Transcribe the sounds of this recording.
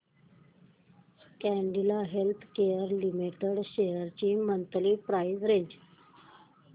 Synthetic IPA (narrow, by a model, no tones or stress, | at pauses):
kɛɳɖilaɦelt̪ʰkejəɾlimiʈeɽɕejəɾt͡ɕiːmənt̪liːpɾajzɾeɲd͡ʑ